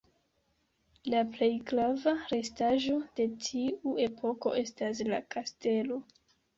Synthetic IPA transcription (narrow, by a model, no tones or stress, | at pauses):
laple̞jɡɾavaɾe̞staʒo̞d̥e̞tʰiue̞pʰo̞ko̞̰ʔe̞stas̬la̰kʰaste̞lo̞